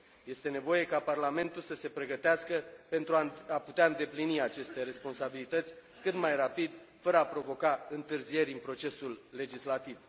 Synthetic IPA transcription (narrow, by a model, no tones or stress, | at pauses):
je̞st̪e̞ne̞vo̞je̞kaparlame̞nt̪ulsəse̞pɾe̞ɡət̪easkəpe̞nt̪ɾuaaput̪eaɨnd̪e̞pliniat͡ʃe̞st̪e̞ɾe̞spo̞nsabilit̪ət̪sʲ | kɨt̪majrapid̪ | fəɾəapɾo̞vo̞kaɨnt̪ɨrzie̞ɾʲɨnpɾo̞t͡ʃe̞sulːe̞d͡ʒislat̪iv